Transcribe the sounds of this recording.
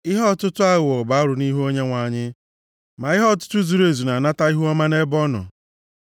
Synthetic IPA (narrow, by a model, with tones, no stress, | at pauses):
ɪ˦ɦɔ˦˨tʊ˦tʊ˦a˦ɣʊ˨ɔ˨ba˦ɾʊ˨ni˦ɦo˦ɲe˦ŋʷa˨ɲɪ˦ | ma˨ɪ˦ɦɔ˦˨tʊ̥˦tʊ˦zu˨ɾe˨zu˨na˨na˦ta˦i˦ɦu˦ɔ˦ma˦ne˦bɔ˦nɔ̰˨